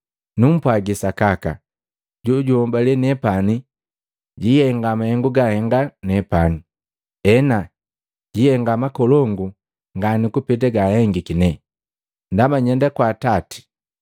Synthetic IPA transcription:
num̩pwaɡisakaka̰ | ɟuɟuhɔmbalɛnɛpani | ɟihɛŋɡamahɛŋɡuɡahɛŋɡanɛpani | ɛna | ɟihɛŋɡamakɔlɔŋɡu | ŋɡanikupɛt̬ɛɡahɛŋɡikinɛ | ndamaɲɛndakwaːtati̥

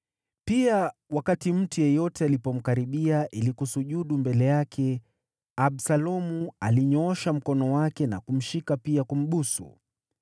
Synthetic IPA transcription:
piawakatim̩tujɛjɔtɛalipɔm̩kaɾiɓiaʔilikusuʄuɗumbɛlɛjakʰɛ | aɓsalɔmualiɲɔɔʃam̩kɔnɔwakɛna̰kum̩ʃikapiakum̩ɓusṵ

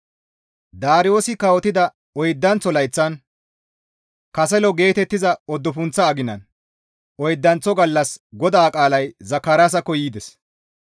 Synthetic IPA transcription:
d̪aːɾɪjo̞ːsɪkɐwɔt̪ɪd̪ɐ | ɔjd̪ːɐnt͡sːɔlɐjt͡sːɐn | kɐsɛlɔɡe̞ːt̪ɛt̪ːɪzɐɔd̪ːɔpʊnt͡sːɐːɡɪnɐ̰n | ʔɔjd̪ːɐnt͡sɔɡɐlːɐsɡɔd̪aːkʼaːlɐjzɐkːɐɾaːs̬ɐkːɔjiːd̪ɛs

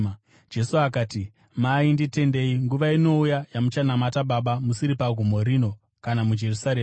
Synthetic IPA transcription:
d͡ʒe̞suakaːti | maindite̞nde̞iŋɡuʋaino̞ujajamut͡ʃanamataɓaɓamusiɾipaɡʱumo̞ɾino̞ | kanamud͡ʒe̞rusaɾeːm

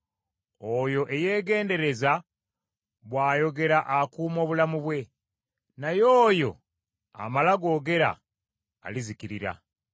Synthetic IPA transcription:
ojo̞ʔe̞je̞ːɡe̞ːnde̞ɾe̞za | βwaːjo̞ɡe̞ɾaʔakuːmo̞ːβulamuβwe̞ | najo̞ːjo̞̰ | a̰malaɡo̞ːɡe̞ɾa̰ː | lizikiɾiɾa̰

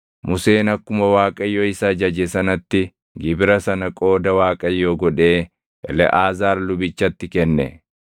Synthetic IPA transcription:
mʊse̞ːnɐkːʊmɐwaːkʼɐjːoːɪsɐd͡ʒɐd͡ʒɛsɐnɐt̪ːɪ | ɡɪbɪɾɐsɐnɐkʼo̞ːd̪ɐwaːkʼɐjːoːɡɔᶑe̞ː | ʔɛ̰lɛ̰ʔaːzaːɾlʊbɪt͡ʃːɐt̪ːɪkɛnːɛ̰

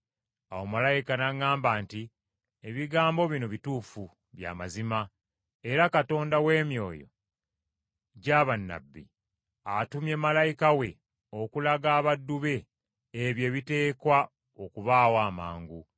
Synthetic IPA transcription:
awo̞malajikanaŋːaːmbanti | eβiɡaːmbo̞βino̞βituːfu | βja̰ːmazima | e̞ɾakato̞ːndawe̞ːmjo̞ːjo̰ | ɟaːβanːa̰bːḭ | atumjeːmalajikawe̞ | okulaɡaːβadːuβe̞ː | βje̞ːβite̞ːkwa | o̞kuβaːwaːma̰ːŋɡu

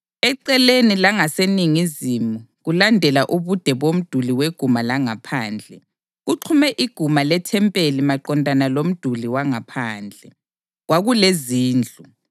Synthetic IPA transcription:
ɛǀɛlenilaŋaseniŋizimuɣulandʱɛlaʔuβud̥ʱɛβom̩d̥ʱuliweɡ̥ʱumalaŋapʰaːnd͡ɮʱɛ | ɣuǃʰumɛʔiɡ̥ʱumalɛtʰɛmpʼelimaǃɔndʱanalom̩d̥ʱuliwaŋapʰaːnd͡ɮʱɛ | ɣwaɣuleziːnd͡ɮʱu

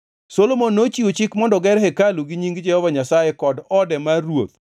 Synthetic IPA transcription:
solomonːot͡ʃiot͡ʃɪkmɔndɔɡɛɾɦɛkaluɡiɲiŋɡd͡ʒɛhɔvaɲasajɛkɔdɔdɛmarwo̰t̪̚

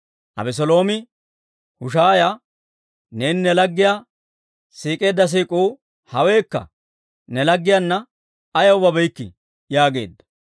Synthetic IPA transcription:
ʔɐ̰bɛs̬ɔlo̞ːmɪ | hʊʃaːja | ne̞ːnɪnɛlɐɡːɪjaː | siːkʼe̞ːd̪ːɐs̬iːkʼuː | hɐwe̞ːkːɐ̰ | nɛlɐɡːɪjanːɐ | ɐjɐwʊbɐbɛjkːɪ̰ | jaːɡe̞̰ːd̪ːɐ̥

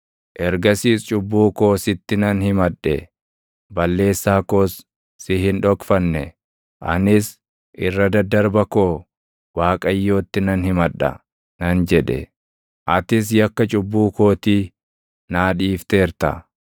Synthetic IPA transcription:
ʔɛɾɡɐsiːst͡ʃʼʊbːuːko̞ːsɪt̪ːɪnɐnhɪmɐᶑːɛ̰ | bɐlːe̞ːsːaːko̞ːsː | ɪhɪnᶑɔkfɐnːɛ | ʔɐ̰nɪs | ʔɪrːɐd̪ɐd̪ɐɾbɐko̞ː | waːkʼɐjːo̞ːt̪ːɪnɐnhɪmɐᶑːɐ̰ | nɐnd͡ʒɛᶑɛ̰ | ʔɐt̪ɪs̬jɐkːɐt͡ʃʼʊbːuːko̞ːt̪iː | naːᶑiːft̪e̞ːɾt̪ɐ̰

